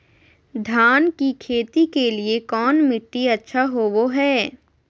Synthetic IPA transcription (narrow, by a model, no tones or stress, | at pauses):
d̪ʱaːnkikʰeːt̪ikeliekɔːnmɪʈːiɐtːʃʰaɦoːʋoɦɛː